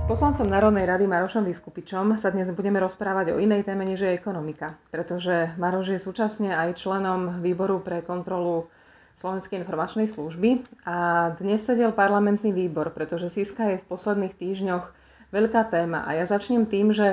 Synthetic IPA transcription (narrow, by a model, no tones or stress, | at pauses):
spɔslant͡sɔmnaːɾɔd̪nɛjɾad̪imaɾɔʃɔmʋiskupit͡ʃɔmsad̪ɲɛzbuɟɛmɛɾɔspɾaːʋaɟɔ̰inɛjt̪ɛːmɛɲɛʒjɛjɛkɔnɔmikapɾɛt̪ɔʒɛmaɾɔʒjɛsuːt͡ʃasɲɛajt͡ʃlɛnɔmʋiːbɔɾupɾɛkɔnt̪ɾɔlu | slɔʋɛnskɛjinfɔɾmat͡ʃnɛjsluʒbiad̪ɲɛsːɛɟɛlpaɾlamɛnt̪niʋiːbɔɾpɾɛt̪ɔʒɛsiskajɛfpɔslɛd̪niːxt̪iːʒɲɔx | ʋɛʎkaːt̪ɛːma̰ʔa̰jazat͡ʃɲɛmt̪iːmʒɛ